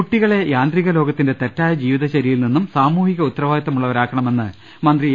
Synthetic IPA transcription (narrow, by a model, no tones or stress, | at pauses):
uʈːiɣɐɭe̞jaːnd̪riɣɐlo̞ːɡɐt̪ːinde̞t̪etːaːjɐd͡ʑiːʋiðɐɕɐɾijilninːumsaːmuːhiɣɐut̪ːɐrɐʋaːjɐt̪ːɐmuɭːɐʋɐɾaːkːɐɳɐme̞nːɨ | mɐnd̪ri